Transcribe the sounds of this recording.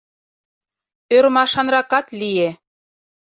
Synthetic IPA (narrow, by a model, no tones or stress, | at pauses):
øɾmɑʃɑnrɑkɑt̪lije